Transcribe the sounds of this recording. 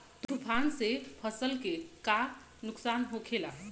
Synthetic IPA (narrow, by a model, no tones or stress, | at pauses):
t̪upʰansepʰəsəlkeka | nuksanɦokʰela